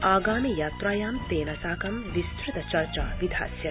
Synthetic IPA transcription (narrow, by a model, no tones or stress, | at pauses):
aːɡaːmijaːt̪ɾaːjaːmt̪eːnɐsaːkɐmʋist̪ɾit̪ɐt͡ʃɐɾt͡ʃaːʋid̪ʱa̰ːsjɐ